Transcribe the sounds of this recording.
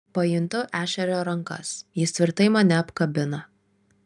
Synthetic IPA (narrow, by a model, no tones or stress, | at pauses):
pɐjɪnt̪ʊʔæːʃʲɛɾʲoːɾɐŋkɐ̰sjɪst̪ʲʋʲɪɾt̪ɐɪmɐnʲɛɐpkɐbʲɪnɐ